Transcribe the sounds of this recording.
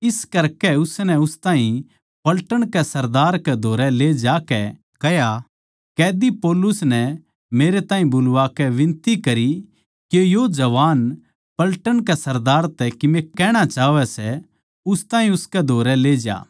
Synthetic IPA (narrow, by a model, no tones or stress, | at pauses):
ɪskɐɾkɛʊsnɛʊst̪ãːɦĩ | pɐlʈəɽ̃kɛsɐɾd̪aːɾkɛd̪ʱoːɾɛleːd͡ʒaːkɛ | kɛɦja | kɛːd̪ipɔːlʊsnɛ | meːɾet̪ãːɦĩbʊlʋaːkɛʋɪ̃nt̪ikɐɾi | kejod͡ʒɐʋaːn | pɐlʈəɽ̃kɛsɐɾd̪aːɾt̪ɛkɪmẽkɛːɽ̃at͡ʃaːʋɛsɛ | ʊst̪ãːɦĩʊskɛd̪ʱoːɾɛleːd͡ʒa̰ː